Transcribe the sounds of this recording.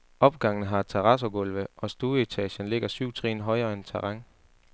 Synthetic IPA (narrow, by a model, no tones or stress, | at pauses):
ʔɒ̽b̥̚ɡ̥ɑ̈ŋ̰nəɦɑ̈t͡sʰeʁɑ̈s̬oɡ̥ɔ̽lʋəʔɒ̽sd̥uːəit͡sʰɛ̰ːɕənle̝ɡ̥ɐsyʊ̰t͡sʰʁḭːnɦɒ̽ɪɐːent͡sʰɑʁɑŋ